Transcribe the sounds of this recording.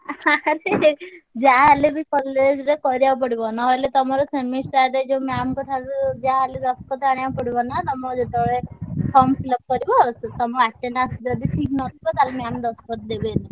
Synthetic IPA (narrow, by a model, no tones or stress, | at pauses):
aɾed͡ʒaːlebikɔlːed͡ʒɾekɔɾijap̬ɔɽibɔnaɦɔjlet̪ɔmɔɾɔsemisɾaɾed͡ʒemeamɔkɔt̪ʰaɾud͡ʒaaled̪ɔskɔt̪aɽ̃ijapɔɽibɔnat̪ɔmɔd͡ʒeʈ̪eɭepʰɔmpilɔp̚kɔɾibɔɔɾɔst̪ɔt̪ɔmɔaʈːenasd͡ʒɔd̪iʈʰiknɔt̪ʰibɔt̪alemeamd̪ɔskɔt̪̚d̪ebena